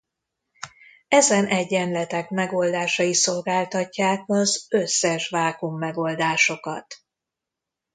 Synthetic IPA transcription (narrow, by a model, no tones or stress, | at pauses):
ɛzɛnʔɛɟːɛnlɛt̪ɛkmɛɡo̞ld̪aːʃɒjiso̞lɡaːlt̪ɒcːaːkɒzøsːɛʃʋaːkumːɛɡo̞ld̪aːʃo̞kɒ̰t̪